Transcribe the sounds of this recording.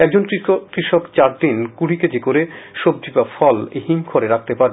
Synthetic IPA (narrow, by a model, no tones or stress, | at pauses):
ɛk̚d͡ʑonkɾiʃokt͡ɕaɾd̪inkuɽiked͡ʑikoɾeʃob̚d͡ʑibafɔlḛɦiŋkʰoɾeɾak̚ʰt̪epaɾ